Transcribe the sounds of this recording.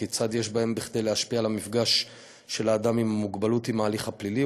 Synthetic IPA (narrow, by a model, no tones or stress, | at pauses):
it͡sad̪je̞ʃbae̞mbiχd̪e̞jleaʃpialamifɡaʃː | elaːd̪amimamːuɡbalutimaːliχhaplili